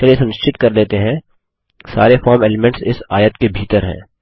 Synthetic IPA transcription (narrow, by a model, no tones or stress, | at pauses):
ɐlesɐ̃nɪʃt͡ʃɪt̪kɐɾleːt̪eɦɛ̃ | saːɾefɔːɾmeːlɪmɛ̃ɳʈsɪsaːjət̪kebʱiːt̪əɾɦɛ̰̃ː